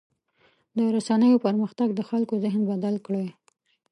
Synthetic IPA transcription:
d̪əɾasanəjopəɾməxt̪aɡd̪əxalkozɪɦnbad̪alkɽe

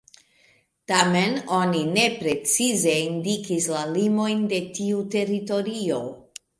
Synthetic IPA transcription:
tameno̞nine̞pɾe̞t͡size̞indikislalimo̞jnde̞tiute̞ɾito̞ɾio̞

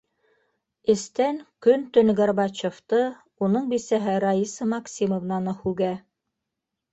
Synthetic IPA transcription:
ɘ̆st̪æŋkɵnt̪ɵ̆nɡɑrbɑt͡ɕŏft̪ɤ | unɤɴbisæɦɘɾɑisɤmɑksʲimovnɑnɤhʉɡæ

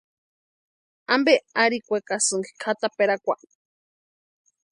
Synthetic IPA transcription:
ambeaɾikʷekasɨŋɡi̥kʰat̪apeɾakʷa

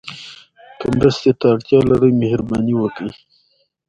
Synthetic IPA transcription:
kəmɾəst̪et̪aːɽt̪jɑlaɾəjmehɾbɑniwəkəj

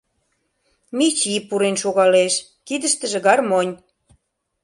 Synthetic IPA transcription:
mit͡ɕipuɾenʃoɣɑleʃ | kid̪ə̆ʃt̪ə̆ʒĕɣɑrmonʲ

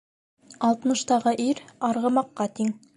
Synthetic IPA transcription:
ɑlˠt̪mɤ̆ʃt̪ɑʁɤʔiɾɑɾʁɤ̆mɑqːɑt̪iŋ

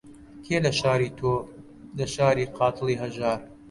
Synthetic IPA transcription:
kʰeːlɐʃaːɾiːt̪ʰoː | lɐʃaːɾiːqʰɑːt̪ʰɨlˠiːɦɐʒaːɾ

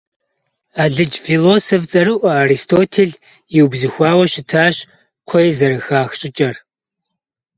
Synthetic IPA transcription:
aːɮɨd͡ʒfiloːsoft͡sʼɐɾɨʔʷɐaːɾistʰoːtʰeːɮ | iwbzɨxʷaːwɐʃɪtʰaːɕʼ | kʷʰɔjzɐɾɨxaːxɕʼɪt͡ʃʼɐr

